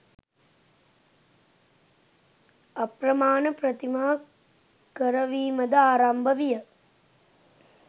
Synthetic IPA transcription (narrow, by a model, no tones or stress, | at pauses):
ɐpɾɐmaːnɐpɾɐt̪imaː | kɐɾɐʋiːmɐd̪ɐaːɾambʱɐʋijɐ